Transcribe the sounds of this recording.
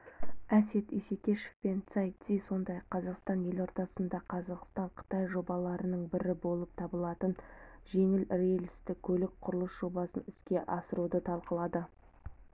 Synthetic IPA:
æse̞t̪ese̞kʲe̞ʃefpe̞nt̪saj̪siso̞nd̪ɑjɑqʰːɑzɑqst̪ɑnje̞lo̞ɾt̪ɑsənd̪ɑqʰɑzɑqst̪ɑɴqʰə̥t̪ɑjʒo̞bɑlˠɑɾənəɴbɪɾɪbo̞lˠəp̚t̪ʰɑbəlˠɑt̪ənʒe̞ŋɪlrejlʲɪst̪ɪkkʲʰɵlɪk̚qʰʊɾəlˠəsʒ̥o̞bɑsənɪskʲe̞ʔɑsəɾud̪ət̪ʰɑlˠqəlˠɑd̪ə

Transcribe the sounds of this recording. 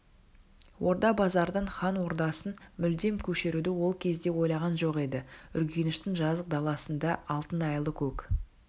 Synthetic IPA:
wo̞ɾd̪ɑbɑzɑɾd̪əɴχɑnwo̞ɾd̪ɑsənmʏld̪e̞mkʲʰɵʃe̞ɾud̪ɪwo̞lˠkʲʰe̞zd̪e̞wo̞jlˠɑʁɑnʒo̞qe̞d̪ɪʏɾɡʲenɪʃt̪ɪŋʒɑzəq̚d̪ɑlˠɑsənd̪ɑɑlˠt̪ənɑjlˠəkʲʰɵk

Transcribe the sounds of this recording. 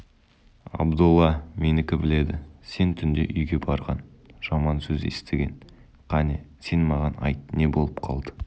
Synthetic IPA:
ɑ̰bd̪ulˠːɑme̞nɪkʲɪbɪle̞d̪ɪse̞nt̪ʰʏnd̪e̞̰ʔʏjɡʲe̞bɑɾʁɑnʒ̥ɑmɑnsɵzḛst̪eɡʲe̞n | qʰɑnese̞nmɑʁɑnɑ̰jt̪ne̞bo̞lˠəp̚qʰɑlˠd̪ə̥

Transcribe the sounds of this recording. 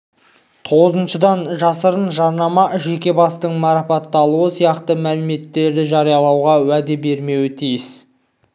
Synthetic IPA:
t̪ʰo̞ʁəzənʃəd̪ɑnʒɑsəɾənʒɑɾnɑmɑʒe̞kʲe̞bɑst̪əɴmɑɾɑpɑt̪ːɑlˠuəsijɑqt̪əmælɪme̞t̪ːe̞ɾd̪ɪʒɑɾijɑlˠɑwʁɑwæd̪ebe̞ɾme̞wɪt̪ʰijɪs

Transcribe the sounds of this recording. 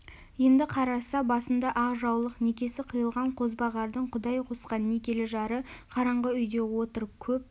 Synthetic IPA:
je̞nd̪ɪqʰɑɾɑsɑbɑsənd̪ɑʔɑʁʒɑwlˠəqne̞kʲe̞sɪqʰəjəlˠʁɑɴqʰo̞zbɑʁɑɾd̪əɴqʰʊd̪ɑjqʰo̞sqɑnːe̞kʲe̞lɪʒɑɾəqʰɑɾɑɴʁəʏjd̪e̞wo̞t̪əɾəp̚kʲʰɵp̚

